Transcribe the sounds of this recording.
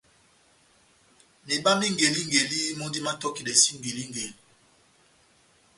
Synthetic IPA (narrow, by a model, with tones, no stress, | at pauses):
ni˨ba˦mi˦ŋɡe˨li˦ŋɡe˨li˦mo˦ndi˦ma˦tɔ˦ki˨dɛ˨si˦ŋɡe˨li˦ŋɡe˨li˨˦